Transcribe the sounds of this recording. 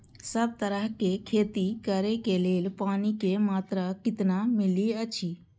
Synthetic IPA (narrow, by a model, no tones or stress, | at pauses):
səb̚t̪əɾəɦkekʰeːt̪ikəɾekeleːlpaːnikemaːt̪ɾakɪt̪namɪliət͡ʃʰiː